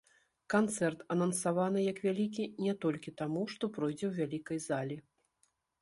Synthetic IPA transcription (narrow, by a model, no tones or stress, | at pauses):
kant̪sɛrt̪ɐnɐnsavanɨjɐkvʲalʲikʲinʲɛt̪ɔlʲkʲit̪amuʂt̪ɔpɾɔjd͡zʲɛwvʲalʲikɐjzalʲi